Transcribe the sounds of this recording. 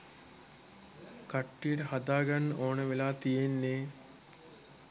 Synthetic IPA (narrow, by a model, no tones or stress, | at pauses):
kaʈːijəʈəhad̪aːɡanːəʔoːnəʋelaːt̪ijenːeː